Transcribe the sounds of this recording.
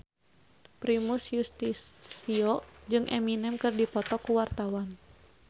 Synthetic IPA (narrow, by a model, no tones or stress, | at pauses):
pɾimusjust̪isiɔd͡ʒɨŋʔɛ̰minɛmkɨrdipɔt̪ɔkuwart̪awan